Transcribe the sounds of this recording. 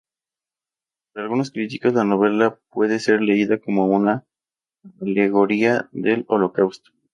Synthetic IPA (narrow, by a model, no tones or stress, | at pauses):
t̪ɾealɣunoskɾit̪ikozlano̞β̞e̞lapwe̞ðe̞se̞ɾle̞iðako̞mo̞una | ale̞ɣ̞o̞ɾiaðe̞lo̞lo̞kawst̪o̥